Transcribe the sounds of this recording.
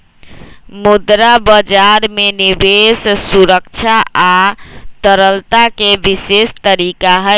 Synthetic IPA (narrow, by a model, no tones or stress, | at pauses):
mud̪ɾabəd͡ʒaɾmenibessuɾək̚t͡ʃʰaat̪əɾəlt̪akebisest̪əɾikaɦə